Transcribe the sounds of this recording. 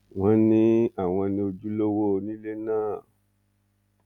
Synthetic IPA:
w̃ɔ̃˦nĩ˦a˦˨w̃ɔ̃˧nĩ˧o˧d͡ʒu˦lo˦wo˦˧nĩ˦le˦nãː˦˨

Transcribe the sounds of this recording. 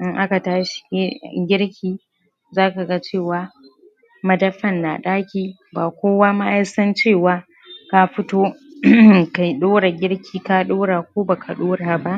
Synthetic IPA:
ʔɪ˦ŋʔa˦ka˨taː˦ʃi̥˨˦ɡʲɪ˦ɽkʲiː˦ | zaː˦ka˨ɡa˦t͡ʃeː˦˨waː˨ | mɐ˦dɐ˦ɸɐ˦˨nːa̰˨ɗaː˦kʲiː˦ | baː˨kʷoː˦waː˦ma˦ʔa˦sɐ˦nt͡ʃeː˦˨waː˨˦ | ka˦ɸɪ˦toː˦ | ka˨jɗoː˦ɽa˨ɡʲɪ˦ɽkʲʰiː˦˨ka˦ɗoː˦ɽaː˨kʷoː˦ba˨ka˨ɗoː˦ɽaː˨ba˦ʔ

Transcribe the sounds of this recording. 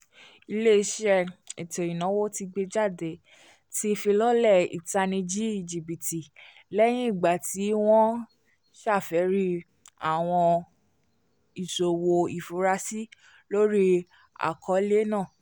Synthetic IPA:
i˧le˦i˧˦ʃɛ˦ɛ˨te˨ɾĩ˨nã˨˦wo˦ti˧ɡ͡be˧d͡ʒa˦˨de˨ | ti˦fi˧lɔ˦lɛ˦˨ḭ˨ta˧nĩ˧d͡ʒi˦i˦˨d͡ʒi˨bi˨ti˨ | lɛ˦j̃ĩ˦i˦˨ɡ͡ba˨ti˨˦w̃ɔ̃˦ | ʃa˦˨fɛ˨˦ɾi˦ | a˨w̃ɔ̃˧ | i˨so˨wo˧i˨fo˨˦ɾa˧si˦ | lo˦ɾi˦ | a̰˨kʰɔ˨˦le˦nãː˦˨

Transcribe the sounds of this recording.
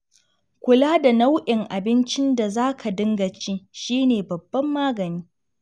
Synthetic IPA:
kʷʊ˨laː˦da˨na˦wʔɪ˨ŋʔa˨bɪ˦nt͡ʃɪ˦nda˨zaː˦kʰa˨dɪ˦ŋɡɐ˨t͡ʃiː˦ʃiː˦neː˨bɐ˨bːɐ˦mːaː˦ɡɐ˨niː˦

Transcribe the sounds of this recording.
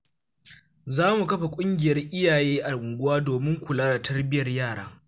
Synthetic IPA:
zaː˦mu˨kɐ˦ɸa˨kʷʼʊ˦ŋɡʲɪ˨jɐ˦rʔɪ˦jaː˨jeː˦ʔa˨ɽʊ˨ŋɡʷʊ˦waː˦doː˨mɪ˦ŋkʷʊ˨laː˦da˨tʰɐ˦rbɪ˦jɐ˨rjaː˦˨ɽa̰ː˦

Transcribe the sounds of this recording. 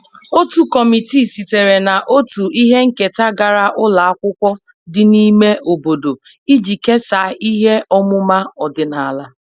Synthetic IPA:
o˦tu˨kɔ˨mi˨ti˦˨si˨te˨ɾe˨na˨ʔo˦tu˨i˦ɦe˦ŋ̩˦ke˨ta˦ɡa˨ɾa˦ʔʊ˦la˨a˦kʷʊ˦kʷɔ˦ | dɪ˨ni˦me˦ʔo˨bo˨do˨ | i˦d͡ʒi˨ke˦sa˨˦i˦ɦe˦ʔɔ˦mʊ˦ma˦ɔ˨dɪ˨na˨a˨la˦

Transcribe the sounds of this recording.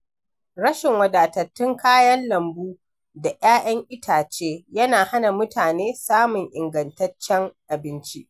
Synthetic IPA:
ɽɐ˦ʃɪ˨ŋwɐ˨daː˨tɐ˨tːɪ˦ŋkʰaː˦jɐ˦nlɐ˨mbuː˦ | da˨ʔj̰aː˦ʔɐ˦ŋʔɪ˦tʰaː˨t͡ʃeː˦jɐ˦naː˨ha˦na˨mʊ˦taː˨neː˦saː˦mʊ˨ŋʔɪ˨ŋɡɐ˨ntɐ˦t͡ʃːɛ˦ŋʔa˨bɪ˦nt͡ʃi˦ʔ

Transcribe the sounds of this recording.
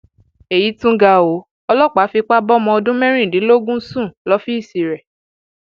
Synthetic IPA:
e˨ji˨˦tũ˦ɡa˧o˨˦ | ɔ˧lɔ˦k͡pa˨˦fi˧k͡pa˦bɔ˦mɔ̃˧ɔ˧dũ˦mɛ̃˦ɾ̃ĩ˦˨dĩ˨˦lo˦ɡũ˦sũ˦˨lɔ˨˦fi˦i˦˨si˨ɾɛ˨

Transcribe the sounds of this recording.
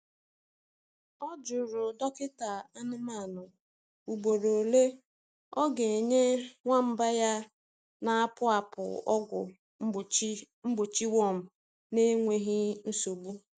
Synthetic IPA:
ɔ˦d͡ʒʊ˨ɾʊ˨dɔ˦kɪ˦ta˨a˦nɪ˦ma˦˨nʊ˨ | u˨ɡ͡bo˨ɾo˨le˦ | ɔ˦ɡe˨ɲe˦ŋʷa˦m̩˦ba˦ja˦ | na˨a˦pʊ˦a˨pʊ̰˨ɔ˦ɡʷʊ̰˨˦˨ | m̩˦ɡ͡bʊ˨t͡ʃi˦wɔ˦˨m̩˨ | ne˦ŋʷe˦ɦɪ˦n̩˦so˨bu˦

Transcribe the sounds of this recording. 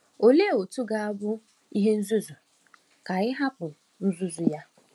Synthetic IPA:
o˨le˦˨o˨tu˦ɡa˦a˦bʊ˦ | i˦ɦe˦n̩˦zu˦zu˨ | ka˨ɪ˦ɦa˦pʊ˨ | n̩˦zu˦zu˨ja˦

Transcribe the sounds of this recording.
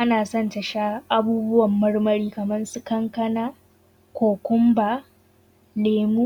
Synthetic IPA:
ʔa˦naː˨sɔ˦˨ntɐ˨ʃaː˦ʔa˦buː˦bʊ˦wɐ˨mːɐ˦ɽmɐ˦ɾiː˦kɐ˨mɐ˦nsʊ˦kɐ˦ŋkɐ˦naː˦ | kʷoː˨kʷʊ˦mbaː˨ | leː˨muː˦

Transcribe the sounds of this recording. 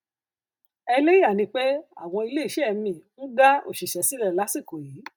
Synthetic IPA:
ɛ˧le˦i˦a˦˨nĩ˧k͡pe˦a̰˦˨w̃ɔ̃˧i˧le˦i˦˨ʃɛ˦ɛ˧mĩ˨n̩˦ɡa˦o̰˦˨ʃi˨ʃɛ˨˦si˦lɛ˦˨la˨˦si˦˨ko˨ji˨˦

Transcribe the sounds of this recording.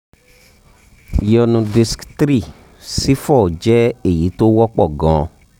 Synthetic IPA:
jɔ˧nũ˧di˧sktɾi˦˨ | si˦fɔ˦˨d͡ʒɛ˦e˦˨ji˨˦to˦wɔ˦k͡pɔ˦˨ɡã˨

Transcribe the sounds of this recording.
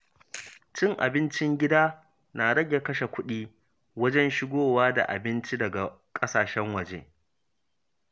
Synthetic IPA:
t͡ʃɪ˦ŋʔa̰˨bɪ˦nt͡ʃɪ˦ŋɡʲɪ˦daː˦ | naː˨ɽɐ˦ɡʲe˨kɐ˦ʃe˨kʷʊ˦ɗiː˦ | wɐ˦d͡ʒɛ˦nʃɪ˦ɡʷoː˦waː˦da̰˨ʔa̰˨bɪ˦nt͡ʃi˦dɐ˨ɡa˨ | kʼɐ˦saː˨ʃɛ˦ŋwɐ˨d͡ʒḛː˦

